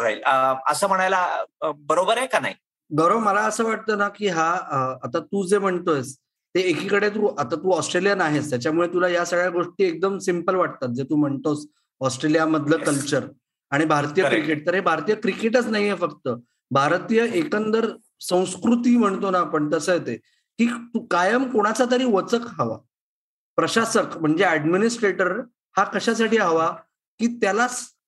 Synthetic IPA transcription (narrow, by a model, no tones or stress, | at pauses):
ɾajʈəəsəːm̤əɽ̃ajlabəɾobəɾekana̰ɦi | ɡəɾoməlaəsəːʋaʈ̚t̪əːnakiːɦaəːt̪at̪uːd͡zem̤əɳt̪oes | t̪eːkʰiːkəɽet̪̬uːʔat̪at̪uːɔsʈɾelijanaɦest̪jat͡ɕjamuɭet̪ulajasəɡɭjaɡoʂʈiːek̚d̪əmsimpəlʋaʈ̚t̪at̪̚d͡zet̪uːm̤əɳt̪os | ɔsʈɾelijaməd̪ʱləkəlt͡ɕəɾ | aɽ̃ibʱaɾt̪ijəkɾikeʈ̚t̪əɾɦebʱaɾt̪ijəkɾikeʈ̬ət͡snaɦiɦefəkt̪ə | bʱaɾt̪iːjəʔekənd̪əɾ | sə̃w̃skɾut̪iːm̤əɳt̪onapəɳt̪əsəjet̪e | kiːt̪ukajəmkoɽ̃at͡sat̪əɾiːʋət͡səkɦəʋa̰ | pɾəɕasəkm̤əɳd͡zeæɖminisʈɾeʈəɾ | hakəɕas̬aʈiːɦəʋa | kiːt̪jalas